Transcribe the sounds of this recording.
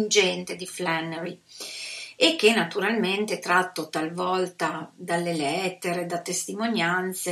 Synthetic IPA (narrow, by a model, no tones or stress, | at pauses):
nd͡ʒɛnt̪ed̪iflanːeɾi | ekːenːat̪uɾalment̪eɛt̪ɾat̪ːot̪alvɔlt̪ad̪alːelɛt̪ːeɾed̪at̪ːest̪imonjant̪se